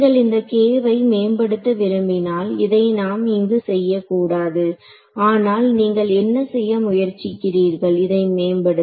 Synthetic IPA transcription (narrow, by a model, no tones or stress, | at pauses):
ɡɐɭɪnd̪ɐkeːʋɐɪmeːmbɐɽɯt̪ːɐʋɪɾɯmbɪnaːlɪðɐɪnaːmɪŋɡɯsɛjːɐkːuːɽaːðɯ | aːnaːlniːŋɡɐɭɛnːɐsɛjːɐmʊjɐɾt͡ʃːɪkːɪriːɾɣɐɭɪðɐɪmeːmbɐɽɯ